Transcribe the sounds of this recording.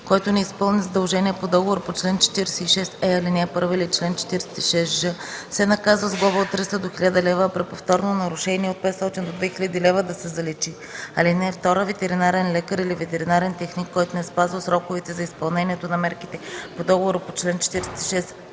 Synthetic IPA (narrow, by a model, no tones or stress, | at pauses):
kɔjt̪onɛispɤlˠnizɐd̪ɐlˠʒɛniɛpod̪ɔɡovoɾpot͡ʃlɛnt͡ʃɛ̥t̪iɾɛsɛiʃɛsɛɐlinɛɛpɤɾvəilit͡ʃlɛnt͡ʃɛ̥t̪iɾɛsɛ̥t̪iʃɛsʒɤsɛnɐkazvəzɡlˠɔvəot̪t̪ːɾist̪əd̪oxilʲad̪ɐlɛvəpɾɛpoft̪ɔɾnonɐɾuʃɛniɛot̪̚pɛt̪st̪ɔt̪ind̪od̪vɛxilʲad̪ilɛvəd̪ɐsɛzɐlɛt͡ʃi | ɐlinɛːft̪ɔɾəvɛt̪ɛɾinaɾɛnlɛkəɾilivɛt̪ɛɾinaɾɛnt̪ɛxnikːɔjt̪onɛspazvəsɾɔkʊvɛt̪ɛzɐispɐlˠnɛniɛt̪onɐmɛɾkit̪ɛpod̪ɔɡovoɾəpot͡ʃlɛnt͡ʃɛ̥t̪iɾɛsɛ̥t̪i̥ʃɛs